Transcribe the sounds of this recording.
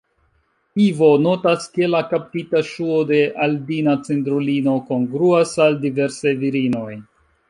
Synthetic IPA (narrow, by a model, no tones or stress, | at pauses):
ivo̞no̞taskelakap̚titaʃuode̞ʔaldinat͡sentɾulino̞konɡɾuasaldive̞ɾsajviɾino̞j